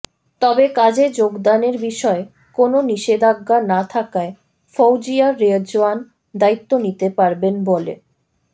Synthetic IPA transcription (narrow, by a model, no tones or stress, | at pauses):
t̪ɔbekad͡ʑed͡ʑoɡd̪aneɾbiʃɔe | kononiʃed̪ʱaɡːanat̪ʰakae | fowd͡ʑiaɾed͡ʑoan | d̪ait̪ːonit̪epaɾbenbolḛ